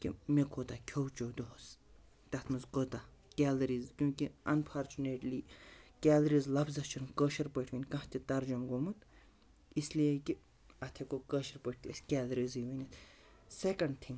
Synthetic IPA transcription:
kʲḭmekʰoːt̪akʲʰowt͡ʃoːd̪oɦs | t̪ɐt̪ʰmɐzkot̪akʲɛːlɐɾiːzkʲũːkiɐnpʰaːɾt͡ʃuneʈliːkʲɛːlɐɾizlɐbzɐt͡ʃʰunkəːʃɐɾpəʈʰʋinʲkɐ̃ɦt̪it̪ɐɾd͡ʒumɡomɨt̪ | islijekʲi | ɐt̪ʰekokəʃɐɾpəʈ̚ʰt̪iɐskʲɛːlɐɾiziʋinʲit̪ | sekɐɳɖ̚t̪ʰĩŋɡ

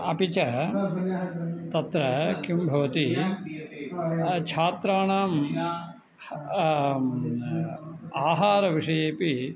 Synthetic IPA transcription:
ɐ̰pit͡ʃɐ | t̪ɐt̪ɾɐkjumbʱɐʋɐt̪i | t͡ʃʰaːt̪ɾaːɳaːm | aːɦaːɾɐʋiʂɐjeːpi

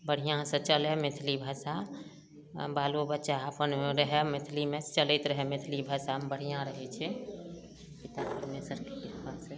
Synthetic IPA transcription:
bəɽ̤ijãsə̃t͡ʃəlɛmet̪ʰlibʱəsa | baːlubətːʃaːpəneɾəɦɛmet̪ʰlimẽt͡ʃəlɛt̪ɾəɦɛmet̪ʰlibʱəsabəɽ̤ijãɾəɦɛt͡ʃʰɛ | pit̪apəɾmesəɾkepiasə

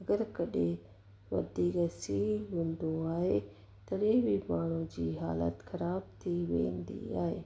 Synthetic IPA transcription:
ɐɡəɾkɐɗe | ʋɐ̰d̪iɡɐsiɦũːnd̪oaːɦe | t̪ɐɾeːbimaːɽ̤̃ũd͡ʑiːɦaːlə̰t̪xɐɾaːb̚t̪ʰiʋḛ̃ːnd̪ḭa̰ːɦeː

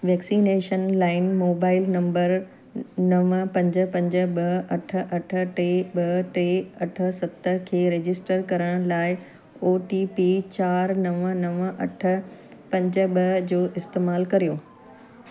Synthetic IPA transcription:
ʋɛːksiːneːʃənlaːɪnmoːbaːɪlnɐ̃mbəɾ | nɐʋpɐ̃ɲd͡ʑə̆pɐ̃ɲd͡ʑə̆ɓɐʔɐʈʰə̆ʔɐʈʰə̆ʈeːɓɐʈeːɐʈʰə̆sɐt̪ə̆kʰeːɾeːd͡ʑɪsʈəɾkɐɾəɽ̃laːɪ | oːʈiːpiːt͡ɕaːɾnɐʋənɐʋʔɐ̰ʈʰə̆pɐ̃ɲd͡ʑə̆ɓɐd͡ʑoːʔɪst̪eːmaːlkɐɾijoː

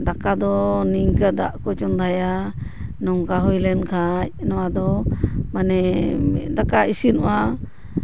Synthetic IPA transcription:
d̪akad̪ɔniŋkad̪aʔkɔt͡ʃund̪ʱaja | nɔŋkaɦɔjlɛnkʰac̚nɔwad̪ɔmanɛ | d̪akaisinɔʔa

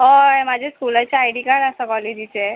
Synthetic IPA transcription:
ɦɔẽmad͡ʑʱeskulat͡ɕaajɽikaɽasəkɔled͡ʑit͡se

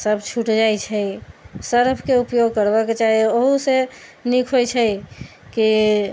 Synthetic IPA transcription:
səbt͡ʃʰuʈd͡ʒajt͡ʃʰəjsəɾbʰʱkeupjoɡ̚kəɾbaket͡ʃaɦioɦusenikʰɦojt͡ʃʰəjki

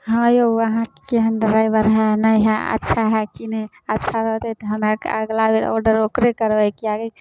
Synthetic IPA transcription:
ɦəjowəɦãkkeɦənɖəɾajbəɾɦɛnəjɦɛə̰tːʃʰaɦɛkinɛ | ətːʃʰaɾəɦt̪ɛt̪ɔɦəmaka̰ɡlabeɾɔ̰ɾɖəɾokɾekəɾbɛjkiaɡə

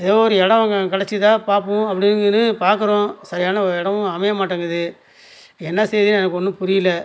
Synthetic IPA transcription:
ɪðoːɔɾɯɛɽɐ̃ʋɐŋɡɐkɐɽɐt͡ʃːit̪ãːpaːɾpʊ̃ɐpːɐɽɪnɡnːɯpaːɾkɯɾõːsɐɾɪjaːnɐɔɾɯɛɽɐmʊ̃ɐmɐjɐmaːʈːɐːŋɡɐðɯ | ɛnːɐsɛjðinɛnɐkːɯɔnːɯ̃pʊɾɪjɪlːɐ

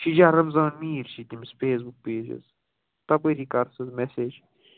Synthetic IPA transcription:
ʃid͡ʒaɾɐmzãːnmiːɾʃit̪imisfʰeːs̬buk̚peːd͡ʒḛz | t̪ɐpɐɾikɐɾsɐzmɛseːd͡ʒ

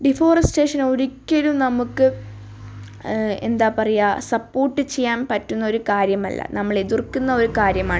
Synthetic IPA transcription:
ɖifoːrɐsʈe̞ːʂɐnoɾikʲːɐlumnɐmukːɨ | e̞̰nd̪aːpɐrɐjaːsɐpːo̞ːrʈːɨt͡ɕejːaːnpɐtːunːɐo̞ɾukaːɾjɐmɐlːɐ̰nɐmːɐɭeðirkːunːɐo̞ɾukaːɾjɐmaːɳɨ

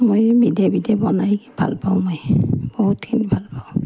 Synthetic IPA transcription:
mojbidɛbidɛbɔnajbʱa̰lpaʊ̃mojb̥oɦutkʰinibʱalpaʊ̃

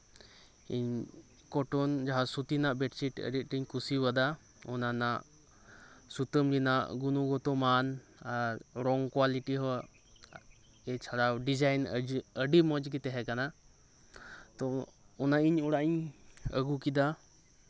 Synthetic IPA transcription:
ḭɲ | kɔʈɔnd͡ʒaɦasut̪inaʔbɛʈt͡ʃiʈə̰ɖiʔ̪̚ˀʈiɲkusibəd̪a | ɔnanaʔ | sut̪əmlinaʔɡunuɡɔt̪ɔmanaɾɾɔŋkwaliʈiɦɔ | ɛt͡ʃʰaɽawɖid͡ʒajnəɖimɔd͡ʒɡit̪ɛɦɛkana | t̪ɔɔnaiɲuɽaʔiɲə̰ɡukid̪a

